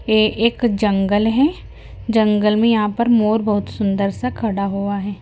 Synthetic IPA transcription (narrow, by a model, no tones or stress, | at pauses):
eʔeːkd͡ʒɐ̃ŋɡəlɦɛ | d͡ʒɐ̃ŋɡəlmẽjɐɦãpɐɾmoːɾbɐɦʊt̪sʊ̃nd̪əɾsakʰɐɽaɦoaɦɛː